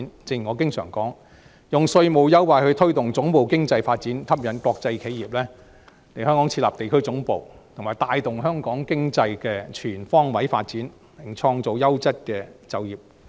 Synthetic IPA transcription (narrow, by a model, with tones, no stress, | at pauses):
nt͡sɪ˧ŋji˨˩ŋɔː˨˧kɪ˥ŋsœ̰ː˨˩ŋkɔː˨˥ŋ | jʊ˨˩ŋsɵ˧ɥmo˨wjɐ˥wwaː˨˧jhɵ˨˧ɥt̪ʰɵ˥ɥt̪ʊ˨˩ŋt͡sʊ˨˥ŋpo˨˩wkɪ˥ŋt͡sɐ˧jfaː˧t̚t͡siː˨˥nt̪ʰɐ˥p̚jɐ˨˥nkɔː˧k̚t͡sɐ˧jkʰe˨˥jiː˨p̚lɛː˥ | le˨˩jhœː˥ŋkɔː˨˥ŋt͡sʰi˧t̚la̰˨p̚t̪e˨jkʰɵ˥ɥt͡sʊ˨˥ŋpo̰˨wt̪ʰʊ˨˩ŋmaː˨˩jt̪aː˧jt̪ʊ˨ŋɦœː˥ŋkɔː˨˥ŋkɪ˥ŋt͡sɐ˧jkɛː˧t͡ʃʰyː˨˩nfɔː˥ŋwɐ˨˥jfa̰ː˧t̚t͡siː˨˥n | mɪ˨˩ŋt͡ʃʰɔː˧ŋt͡so˨wjɐ˥wt͡sɐ˥t̚kɛː˧t͡sɐ˨wjiː˨p̚